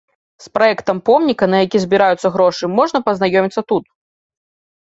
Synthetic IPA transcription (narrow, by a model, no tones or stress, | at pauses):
spɾajɛkt̪ɐmpɔmnʲikɐnɐjakʲizʲbʲiɾajut̪sːɐɣɾɔʂɨmɔʐnɐpɐznajɔmʲit̪sːɐt̪ut̪̚